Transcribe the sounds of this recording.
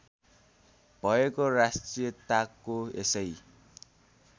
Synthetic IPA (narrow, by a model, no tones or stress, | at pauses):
b̥ʱʌekorasʈrijʌt̪akːoesʌj